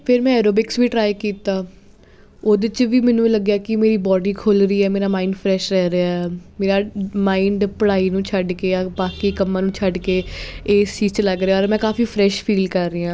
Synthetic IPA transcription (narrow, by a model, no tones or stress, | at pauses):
pʰɪɾmɛ̃ːɛːɾoːbɪksʋiːʈɾaːikiːt̪aː | oːd̪ɪt͡ʃʋiːmɛ̃ːnũːləɡjaːkɪmeːɾiːbɔːɖiːkʰoːlɾəiːɛːmeːɾaːmaːiːɳɖpʰɾɛːʃɾɛːɾeaːɛɛːmeːɾaːmaːĩɳɖpəɽaːiːnũːt͡ʃʰəɖkeːjaːbaːkiːkəmːãːnũːt͡ʃʰəɖkeːeːsiːt͡ʃləɡɾeaːɔːɾmɛ̃ːkaːfiːpʰɾɛːʃpʰiːlkəɾːeːjãː